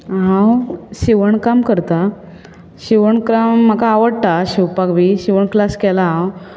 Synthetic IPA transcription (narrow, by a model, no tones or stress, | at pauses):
ɦãwɕiʋəɳkamkəɾt̪a | ɕiʋəɳkɾamːakaːʋəɽt̪aɕiwpakʋiɕiʋəɳklaskɛlaɦãw